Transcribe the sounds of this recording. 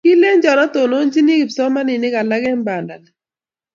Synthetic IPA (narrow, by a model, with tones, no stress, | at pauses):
ki˦le˦nd͡ʒɔ˨nɔ˦to˨no˦nd͡ʒi˦ni˦ɡi˨psɔ˦ma˦nɪ˨nɪ˦ka˨la˦ɡɛ˦mba˨nda˨l